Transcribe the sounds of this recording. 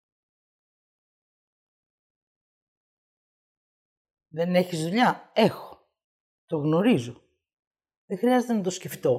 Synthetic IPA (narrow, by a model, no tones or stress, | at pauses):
ðe̞ne̞çizðuʎɐexo̥ | t̪o̞ɣno̞ɾizo̞ | ðexɾiɐze̞t̪enɐt̪o̞sceft̪o̞